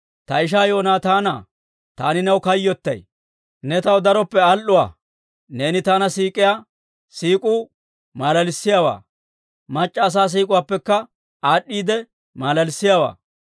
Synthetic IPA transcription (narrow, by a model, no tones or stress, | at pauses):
t̪ɐɪʃ̬aːjo̞ːnaːt̪aːnaː | t̪aːnɪnɐwkɐjːɔt̪ːɐ̰j | nɛt̪ɐwd̪ɐɾɔpːɛɐlːʊwa̰ː | ne̞ːnɪt̪aːnɐsiːkʼɪjaː | siːkʼuː | maːlɐlɪsːɪjaːwa̰ː | mɐt͡ʃʼːɐːs̬aːs̬iːkʼʊwaːpːɛkːɐ | aːɗːiːd̪ɛ | maːlɐlɪsːɪjawa̰ː